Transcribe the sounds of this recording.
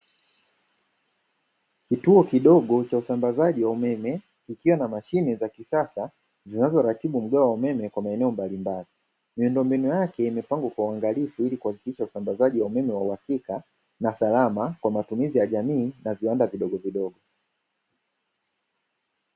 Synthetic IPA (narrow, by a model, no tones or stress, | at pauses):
kituɔkiɗɔɠɔt͡ʃausambazaʄiwaumɛmɛ | kikiwanamaʃinɛzakisasa | zinazɔɾatiɓum̩ɠaɔwaumɛmɛkwamaɛnɛɔmbalimbali | miundɔmbinujakɛimɛpaŋɡwakwauaŋɡalifuilikuhaki̥kiʃausambazaʄiwaumɛmɛwauhakika | nasalamakwamatumizijaʄamiːnaviwandaviɗɔɠɔviɗɔɡɔ